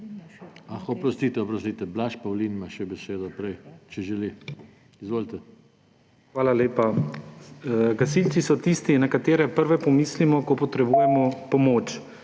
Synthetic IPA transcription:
axɔpɾɔst̪it̪ɛɔpɾɔst̪iːt̪ɛblaʃpawliːnmaʃɛbɛseːd̪ɔpɾɛjt͡ʃɛʒɛli | izʋoːlt̪ɛ | xʋaːlaleːpa | ɡasilt̪t͡s̪isɔt̪ist̪inakat̪eːɾɛpəɾʋɛpɔmiːslimɔkɔpɔt̪ɾɛbujɛmɔpɔmot͡ʃ

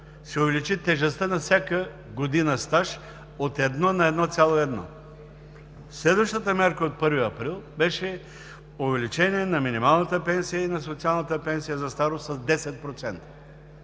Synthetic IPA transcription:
sɛʊvɛlit͡ʃit̪ɛʒɛst̪ənɐfsʲjakə | ɡod̪inəst̪aʃ | ot̪ɛd̪nɔnɐɛd̪nɔt̪sʲalˠoɛd̪nɔ̰ | slɛd̪vəʃt̪ət̪əmʲjaɾkəot̪̚pɤɾviɐpɾilˠbɛʃɛ | ovɛlit͡ʃɛniɛnɐminimalˠnət̪əpɛnsijəinɐsot̪sialˠnət̪əpɛnsijəzɐst̪aɾossɐzd̪ɛsɛt̪̚pɾot̪sɛnt̪ə̥

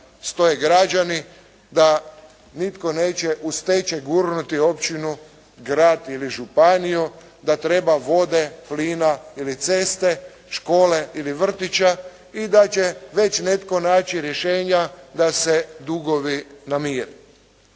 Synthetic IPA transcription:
st̪o̞jeɡɾad͡ʒani | d̪a | nit̪ko̞neːt͡ɕeʔust̪et͡ʃeɡuɾnut̪io̞pt͡ɕinu | ɡɾaːd̪iliʒupaniju | d̪at̪ɾe̞baʋo̞d̪e̞pliːnailit̪se̞st̪e̞ | ʃko̞ːle̞iliʋr̩t̪it͡ɕa | id̪at͡ɕeʋe̞t͡ʃnet̪ko̞naːt͡ʃiɾjeʃeːɲad̪ased̪uɡo̞ʋinamiːɾi

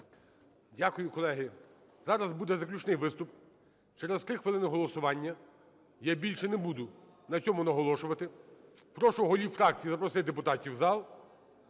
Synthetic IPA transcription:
dʲakʊjʊkɔlˠɛɦɪ | zɑɾɐzbud̪ɛzɐklʲut͡ʃnɪjʋɪst̪ʊp | t͡ʃɛɾezt̪ɾɪxʋɪlˠɪnɪɦɔlˠɔsʊʋɑnʲːɐ | jabʲilʲʃɛnɛbud̪ʊ | nɐt͡sʲɔmʊnɐɦɔlˠɔʃʊʋɐt̪ɪpɾɔʃɔɦɔlʲiwfɾɑk̚t͡sʲijizɐpɾɔsɪd̪epʊt̪ɑtʲiwzɑlˠ

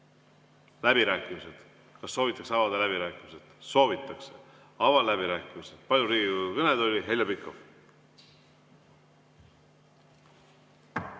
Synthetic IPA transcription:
læb̥iɾæːkːˑimise̞d̪̥ | kɑsːo̞ːvit̪ːˑɑkseɑvɑd̪ɑlæb̥iɾæːkːˑimiset̪so̞ːvit̪ːˑɑkse | ɑvɑlæbiɾæːkːˑimiset̪pɑlʲjuɾiːɡ̥ikud̪ukɤned̪o̞lʲiɦe̞ljɑbikːˑov

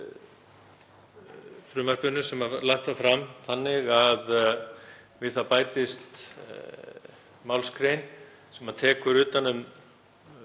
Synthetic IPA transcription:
fɾʏːmar̥pʏnʏsɛmalaxt̪θafɾamθanːɪɣað | vɪðθapaːjt̪ɪst̪ | maːwlskɾejn | sɛmaðt̪ʰɛːkʏɾʏːt̪anːʏm

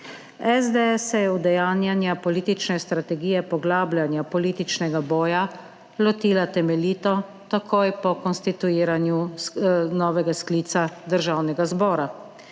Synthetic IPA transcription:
ɛzd̪ɛɛsːɛjɛwd̪ɛjaːnjanjapɔliːt̪it͡ʃnɛst̪ɾat̪ɛɡiːjɛpɔɡlaːbljanjapɔliːt̪it͡ʃnɛɡabɔːja | lɔt̪iːlat̪ɛmɛliːt̪ɔ | t̪akʰoːjpɔkɔnst̪it̪uiːɾanju | nɔːʋɛɡaskliːt̪sad̪əɾʒawnɛɡazbɔːɾa

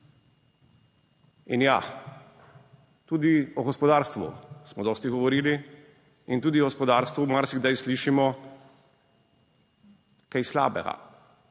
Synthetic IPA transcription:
inja | t̪uːd̪iɔɡɔspɔd̪aːɾst̪ʋṵsmɔd̪ɔːst̪iɡɔʋɔɾiːli | int̪uːd̪iɔɡɔspɔd̪aːɾst̪ʋumaɾsiɣd̪ajsliːʃimɔ | kajsla̰ːbɛ̰ɡa̰

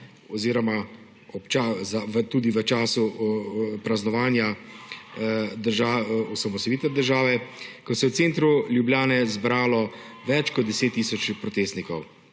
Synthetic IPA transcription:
ɔziːɾɔma | ɔpt͡ʃazaʋət̪uːd̪iʋət͡ʃaːsu | pɾaznɔʋaːnja | d̪əɾʒaːɔsamɔst̪ɔjiːt̪ʋɛd̪əɾʒaːʋɛkɔsɛjɛwt̪seːnt̪ɾuljubljaːnɛzbɾaːlɔ | ʋɛt͡ʃkɔd̪̚d̪ɛseːt̪ːiːsɔt͡ʃpɾɔt̪eːst̪nikɔw

